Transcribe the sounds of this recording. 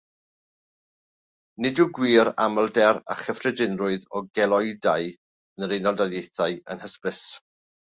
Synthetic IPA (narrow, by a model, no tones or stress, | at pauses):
nɪduɡwiːɾa̰məlˠdɛra̰χəfrɛdɪnrʊɨðɔɡɛlˠɔɨdaj | ənɾenɔlˠdaljejθajə̰nhəspɪs